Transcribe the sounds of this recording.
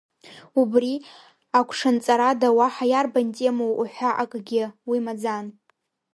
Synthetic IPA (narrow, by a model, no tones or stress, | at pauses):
ubri | akʷʰʂant͡sʼaɾadawaħajarbantʼemowuħʷaʔakʼɡʲɪwimad͡zan